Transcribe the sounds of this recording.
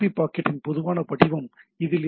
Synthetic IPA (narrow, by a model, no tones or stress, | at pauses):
ipːaːkɐʈːɪnpɔðɯʋaːnɐpɐɽɪʋɐmɪðɪl